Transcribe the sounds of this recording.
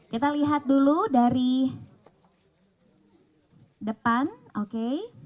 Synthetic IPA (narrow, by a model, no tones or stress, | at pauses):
kit̪aliɦat̪̚duludaɾi | dəpanoke